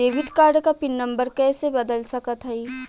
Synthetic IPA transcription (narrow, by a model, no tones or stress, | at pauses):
eːʋɪɖkaːɾɖkapɪnːɐ̃mbəɾkɛːsebɐd̪əlsɐkət̪ɦɐiː